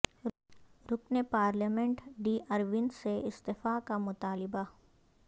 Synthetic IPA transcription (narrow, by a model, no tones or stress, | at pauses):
ɾʊknepaːɾləmɛ̃ɳʈɖiːʔɐɾʋɪnseɪst̪ɪfakamʊt̪aːlɪba